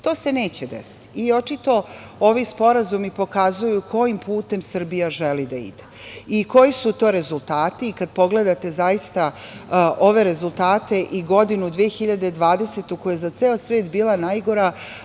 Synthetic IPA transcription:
t̪o̞ːse̞neːt͡ɕed̪ḛsi̥t̪io̞t͡ʃit̪o̞ | o̞ʋispo̞ɾazumipo̞kazujukʰo̞jimpuːt̪e̞msr̩bijaʒelid̪aḭd̪e | iko̞jisut̪o̞ːɾe̞zulˠt̪aːt̪iːkad̪̚po̞ɡle̞d̪at̪e̞zajist̪aʔo̞ʋe̞ɾe̞zulˠt̪aːt̪e̞ʔiɡo̞d̪inud̪ʋiexiʎad̪ed̪ʋaːd̪e̞set̪ukojezat̪seːosʋeːt̪biːlˠanajɡo̞ɾa

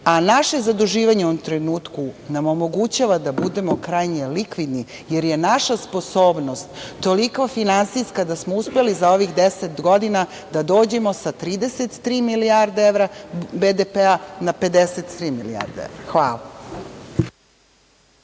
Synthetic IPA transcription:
anaʃe̞zad̪uʒiːʋaɲeuomt̪ɾenuːt̪kunamo̞mo̞ɡut͡ɕaʋad̪abud̪e̞mo̞kɾajɲe̞likʋid̪ni | je̞ɾje̞naʃaspo̞soːbno̞st̪ːo̞likofinansiskad̪asmouspe̞lizao̞ʋixd̪eset̪ɡo̞d̪ina | d̪ad̪o̞ːd͡ʑe̞mo̞sat̪ɾiːd̪e̞set̪ːɾiːmiliaɾd̪eeʋɾabed̪epeanape̞d̪eset̪t̪ɾiːmilia̰ɾd̪eḛʋɾaxʋa̰ːla

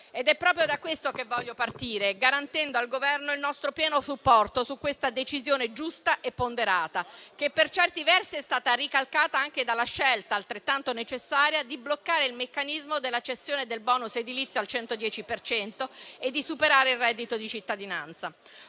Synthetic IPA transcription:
ed̪ɛpːɾɔːp̬ɾjod̪akwest̪okevːɔʎːopart̪iːɾeɡaɾant̪ɛnd̪oalɡovɛrnoilnɔst̪ɾopjɛːnosupːɔrt̪osukːwest̪ad̪et͡ʃizjoːned͡ʒust̪aʔepːond̪eɾaːt̪ak̟epːert͡ʃɛrt̪ivɛrsiɛst̪aːt̪arikalkaːt̪aaŋk̟ed̪alːaʃɛlt̪aːlt̪ɾet̪ːant̪onet͡ʃesːaːɾjad̪iblokːaːɾeilmekːanizmod̪elːat͡ʃesːjoːned̪elbɔːnused̪ilit̪sjalt͡ʃɛnt̪od̪jɛːt͡ʃipert͡ʃɛnt̪oed̪ːisupeɾaːɾeilrɛːd̪ːit̪od̪it͡ʃit̪ːad̪ina̰nt̪sa

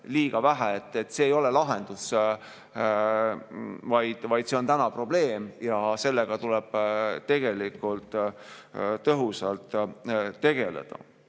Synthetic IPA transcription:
liːɡ̥ɑvæɦæet̪ːˑe̞t̪ːˑse̞ːjo̞le̞lɑɦe̞nd̪̥us | vɑjd̪̥vɑjd̪se̞o̞nt̪ænɑpro̞ble̞ːmjɑse̞lːeɡ̥ɑt̪ulɛb̥t̪e̞ɡ̥e̞likːˑult̪ˑ | t̪ːɤɦusɑlt̪ˑː | e̞ɡ̥e̞lḛd̪̥ɑ̰

